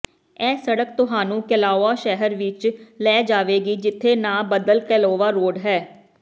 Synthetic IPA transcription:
ɛːsəɽək̚t̪ʊɦaːnũːkəlaːoaːʃɛɦəɾʋɪt͡ʃlɛːd͡ʒaːʋeːɡiːd͡ʒɪt̪ʰːeːnãːbəd̪əlkɛːloːʋaːɾoːɖɦɛː

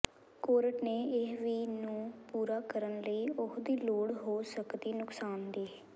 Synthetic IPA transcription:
koːɾəʈneːɪɦʋiːnũːpuːɾaːkəɾənləiːʊkd̪iːloːɽɦoːsəkd̪iːnʊksaːnd̪iː

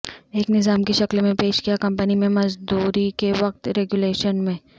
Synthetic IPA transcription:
eːknɪzaːmkeʃɐklmẽpeːʃkijakɐ̃mpənimẽmɐzd̪uːɾikeʋɐq̚t̪ɾɛɡuleːʃənmẽː

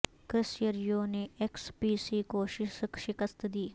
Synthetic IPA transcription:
kɾɪsjəɾjoːneːekspiːsiːkoːʃɪkʃɪkəst̪d̪iː

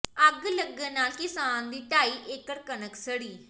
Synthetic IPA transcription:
əɡləɡẽnaːlkɪsaːnd̪iːʈaːiːʔekəɽkənəksəɽiː

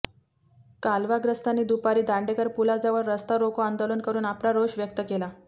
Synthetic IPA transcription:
kalʋaɡɾəst̪aniːd̪upaɾiːd̪aɳɖekəɾpulad͡zaʋəɾːəst̪aɾokoand̪oluːnkəɾuːnaplaɾoɕʋjək̚t̪əkela

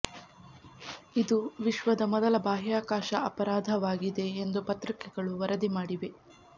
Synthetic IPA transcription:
id̪uʋiʃʋɐd̪ɐmɔd̪ɐlɐbaːɦjaːkaːʃɐɐpɐɾaːd̪ʱɐʋaːɡid̪e̞ːnd̪upɐt̪ɾikɛɡɐɭuʋɐɾɐd̪imaːɽiʋe̞

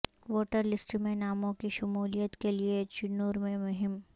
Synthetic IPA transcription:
ʋoːʈəɾlɪsʈmẽnaːmõkiʃʊmuːlijət̪keliet͡ʃʊnoːɾmẽmʊɦɪm

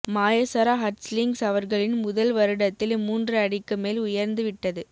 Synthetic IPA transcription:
maːjɐsɐɾaːɦɐɾslɪŋɡsɐʋɐɾɣɐɭɪnmʊðɐlʋɐɾɯɽɐt̪ːɪlmuːndrɯɐɽɪkːɯmeːlʊjɐɾnd̪ɯʋɪʈːɐðɯ

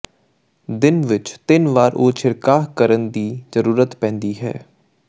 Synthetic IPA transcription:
d̪ɪnʋɪt͡ʃt̪ɪnʋaːɾʔoːt͡ʃʰɪɾkaːɦkəɾənd̪iːzəɾuːɾət̪pɛ̃ːnd̪iːɦɛ̰ː

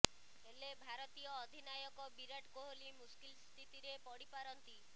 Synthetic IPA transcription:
elebʱaɾɔt̪ijɔːd̪ʱinajɔkɔbiɾaʈkoɦolimuskilst̪ʰit̪iɾepɔɽipaɾɔnt̪i

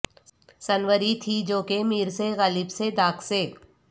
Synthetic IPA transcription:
sɐnʋəɾit̪ʰid͡ʒoːkemiːɾseɣaːlɪbsed̪aːkʰseː

